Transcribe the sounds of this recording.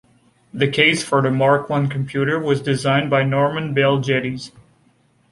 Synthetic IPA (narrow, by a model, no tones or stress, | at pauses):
ðɨkʰeɪsfə˞ðɨmɑɹkʰwʌ̃nkʰm̩pʰj̥ʉɾə˞wʌzdɨzãɪ̃nbaɪnɔɹmɨ̃nbɛlˠd͡ʒɛɾiz̥